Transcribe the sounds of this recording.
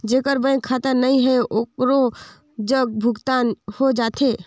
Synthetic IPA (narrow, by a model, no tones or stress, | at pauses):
d͡ʒekəɾbə̃kʰat̪əɾnəiɦɛeʔokɾo | d͡ʒəɡ̚bʱʊɡt̪anhod͡ʒat̪ʰe